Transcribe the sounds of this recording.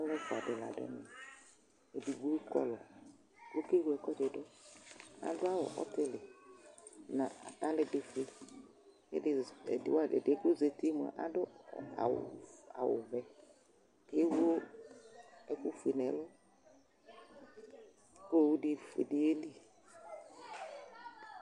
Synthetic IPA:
a˦lɔ˦fʊ˨a˨dɪ˨la̰˨dɔ̰˦nɪ̃˨ | e˨di˨ɡ͡bo˦kɔ̰˦lɔ˨ | wo˦ke˦wu˨˦ɛ˨kɔ˦dɪ˨dɔ˦ | a̰˨dʊ˦a˦wɔ̰˨ʔɔ̰˦tɪ˦lɪ˨ | nã˨a̰˨t̪a˦lɪ˨dɪ˨fe˨ | ḛ˦dɪ˨wa̰˦˨dɛ˨ko˦ze˨te˦mʊ˨a̰˨ʔa̰˦dʊ˦˨a̰˨w̰a̰˨wʊ̰˨vɛ˨ | ke˦wo˦ | ɛ˦kʊ˦fe˨nɛ˨˦lɔ˦ | ko˦˨wdɪ˨fḛ˨dɪ˨e˦li˦

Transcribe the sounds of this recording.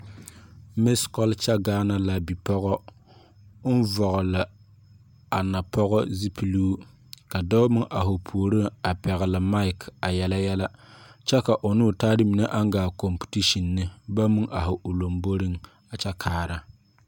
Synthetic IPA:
me˦skɔ˦lt͡ʃa˦ɡaː˦na˨la˨bi˨pɔ˦ɣɔ˦ | ʊ˦n˦vɔ˨ɣʊ˨la˨ | a˨na˨pʰɔ˦ɣɔ˦zi˦pʰi˦luː˦ | ka˨dɔ˦mɨ˦ŋʔa˨hʊ˨pʰu˨o˨ɾɨ˦ŋa˨pɛ˨ɣɪ˨lɨ˨ma˦ɪ˨ka˨jɛ˦la˦jɛ˦la˦t͡ʃɛ˦ka˨ʔʊ˨nuː˦˨taː˦dɪ˦mi˨ne˦ʔa˦ŋ˦ɡaː˨ko˨mpu̥˨ti˦ʃi˨nːɨ˦ba˦mɨ˦ŋʔa˨ɦʊ˨ʔʊ˨lo˨mbo˦ɾɨ˦ŋ | a˨t͡ʃa˦kʰaː˦˨ɾa˨

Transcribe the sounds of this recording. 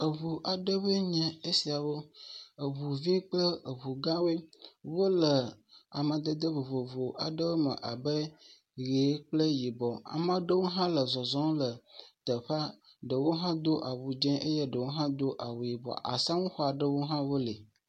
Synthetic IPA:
ə˨βu˨ʔa˨ɖə˦βə˦ɲɛ̃˨e˦si˨a˨wo˦ə˨βu˨vĩ˦k͡plə˦ə˨βu˨ɡã˦we˦wo˦lə˨a˨mə̃˨d̪ə˦d̪ə˦βo˨vo˨vo˨a̰˨ɖə˦wo˦mə̰̃˨ʔa˨bə˦ | ɣe˨˦k͡plə˦ji˨bɔ˨a̰˨mə̃˨ɖə˦wo˦ɦã˦lə˨zɔ˨zɔ̃˦lə˨t̪ə˨ɸa˦ | ɖə˨wo˦ɦã˦d̪o˦ʔa˨wu˨d͡ʒɛ̃˦ʔe˦je˦ɖə˨wo˦ɦã˦d̪o˦ʔa˨wu˨ji˨bɔ̰˨ʔa̰˨sã˦ŋũ˦xɔ˦a˨ɖə˦wo˦ɦã˦wo˦le˨

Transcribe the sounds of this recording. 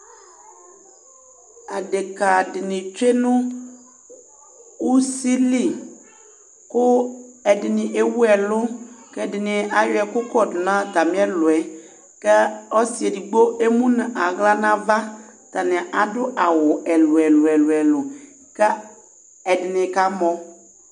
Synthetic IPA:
a˨dɪ˨ka˨dɪ˨nɪ̃˨t͡ʃe˦nʊ̃˦ | u˦si˦li˨ | kʊ˦ɛ˨dɪ˨nɪ̃˨ʔe˦wu˦ɛ˨lʊ˦kɛ˦dɪ˨nɪ̃˨a˨jʊ˦ɛ˨kʊ˦kɔ˦˨dʊ˨nã˦t̪a˨mɪ̃˦ɛ˦lʊ˨ɛ˨ | kɛ˦ɔ˦si˨e˨di˨ɡ͡bo˦ʔe˦mũ˦nɪ̃˨ʔa˨ɣla˦nã˦va˦ta˨nɪ̃˨ʔa˨dʊ˦ʔa˨wʊ˨ʔɛ˨lʊ˨ɛ˨lʊ˨ɛ˨lʊ˨ɛ˨lʊ˨ | kɛ˦ | ɛ˨dɪ˨nɪ̃˨ka˨˦mɔ̃˦

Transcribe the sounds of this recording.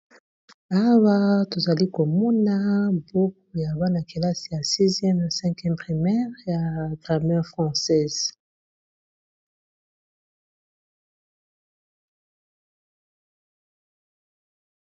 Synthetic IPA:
a˦wa˦to˨za˨li˦ko˨mɔ˦na˦bo˦k̚u˨ja˨ba˦na˨ki˨la˦si˨ja˨si˦zjɛ˦ma˨sɛ̃˦kjɛ˦mpʁi˨mɛ˦ʁja˨ɡʁa˨mɛ˦ʁfχɑ̃˨sɛ˦˨z

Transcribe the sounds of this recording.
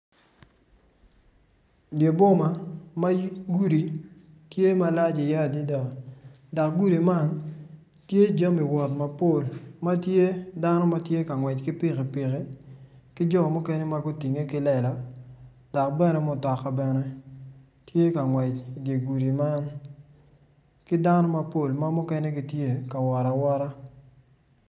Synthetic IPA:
dje˨bo˦ma˨ma˦ɡu˦ɾi˨ | tje˦ma˦la˦d͡ʒi˨ja˦˨di˦da˨ | da˨k̚ɡu˦ɾi˨ma˦n | tje˦d͡ʒa˦mi˨wɔ˨tma˨po˦˨lma˦tje˦da˦nɔ˦ma˦tje˦ka˨ŋwɛ˨t͡ʃkɪ˦pɪ˦ke˨pɪ˨ke˦kɪ˦d͡ʒɔ˦mu˦kɛ˦nɛ˦ma˦ɡu˦ti˨ŋe˦kɪ˦lɛ˨la˨ | da˨k̚bɛ˦nɛ˦mɔ˦˨tɔ˨kːa˨bɛ˦nɛ˦ | tje˦ka˨ŋwɛ˨t͡ʃi˨de˨ɡu˨ɾi˨ma˦n | kɪ˦da˦nɔ˦ma˦po˦˨lma˦mʊ˦kɛ˦ne˦ɡi˨tje˦ka˨wa˨ɾa˨wa˦ɾa˦

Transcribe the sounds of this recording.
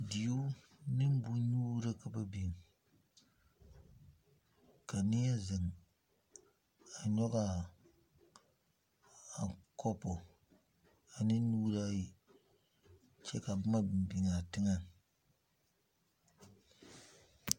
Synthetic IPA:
di˨jo˦ | nɨ˦m˦bu˦nuː˦ɾa˦ka˨ba˦bi˨ŋ˨ | ka˨nɪ˦a˦zɪ˨ŋ | a˨ɲɔ˦ɣa˦ | a˨kɔ˦pɔ˨ | a˨nɨ˦nuː˦ɾa˦ji˦ | t͡ʃɛ˦ka˨bma˦˨m˨bi˨ŋa˨tɪ˦ŋa˦n

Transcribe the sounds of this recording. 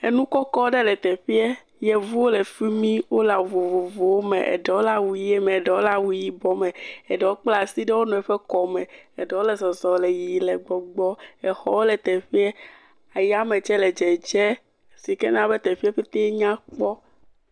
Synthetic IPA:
e˨nũ˦kɔ˦kɔ˦ɖɛ˦lɛ˨t̪ɛ˨ɸi˦ɛ˦ | jɛ˨vu˦wo˦le˨fi˦mĩ˦wo˦la˨vo˨vo˨vo˨wo˦mḛ˨ʔḛ˨ɖɛ˨wo˦la˦wu˨i˦e˦mɛ̃˨ɛ˨ɖɛ˨wo˦la˦wu˦ji˦bɔ˦mɛ̃˨ɛ˨ɖɛ˨wo˦k͡pla˨si˦ɖɛ˦wo˦nũ˨ɛ˨ɸɛ˦kɔ˨mɛ̃˨ɛ˨ɖɛ˨wo˦lɛ˨zɔ˨zɔ˨lɛ˨ji˨lɛ˨ɡ͡bɔ˨ɡ͡bɔ˦ɛ˨xɔ˦wo˦lɛ˨t̪ɛ˨ɸi˦e˦ | a˨ja˦me˨t͡ʃɛ˦lɛ˨d͡ʒɛ˨d͡ʒɛ˦ | si˨kɛ˦nã˦be˦t̪ɛ˨ɸi˦ɛ˦ɸe˦t̪e˦ɲã˦k͡pɔ˦

